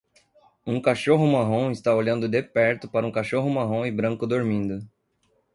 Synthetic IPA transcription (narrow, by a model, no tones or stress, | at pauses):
ũkaʃoɦʊmaɦõw̃ɪst̪aoʎɐ̃nd̪ʊd̪epɛɾt̪ʊpaɾɐũkaʃoɦʊmaɦõw̃ɪbɾɐ̃ŋkʊd̪oɾmĩnd̪ʊ